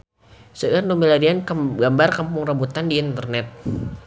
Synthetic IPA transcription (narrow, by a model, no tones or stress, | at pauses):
səʔrnomilaɾianɡambarkampʊŋrabut̪andiːnt̪ərnɛt̪̚